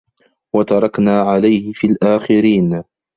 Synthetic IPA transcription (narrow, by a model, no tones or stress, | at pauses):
wat̪ɑɾˤɑknaːʕalajhɪfiːlʔaːxɪɾiːn